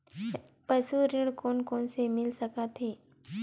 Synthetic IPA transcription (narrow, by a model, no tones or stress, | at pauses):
pəsuɾɪ̃ɽ̃koːnkoːnsemɪlsəkat̪ʰeː